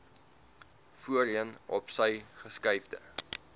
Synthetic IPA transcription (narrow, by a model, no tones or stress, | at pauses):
fuəɾiənɔpsəjχəskəjvdə̰